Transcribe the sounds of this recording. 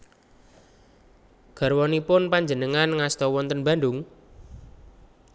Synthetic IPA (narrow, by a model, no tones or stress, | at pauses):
ɡ̥a̤rwɔnipʊnpaɲd͡ʒənəŋanŋast̪ɔwɔnt̪ənba̤nɖʊŋ